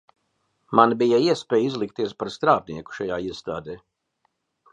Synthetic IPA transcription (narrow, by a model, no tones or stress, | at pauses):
manbijaiɛspʲɛːjizlˠikt̪iɛspaɾst̪ɾaːb̚niɛku̥ʃajaːiɛst̪aːd̪eː